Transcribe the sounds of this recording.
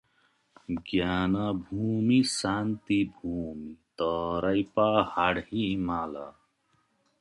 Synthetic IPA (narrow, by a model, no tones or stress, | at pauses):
ɡjaːnabʱuːmisaːnt̪ibʱuːmit̪ʌɾɐjpahaɽhimala̰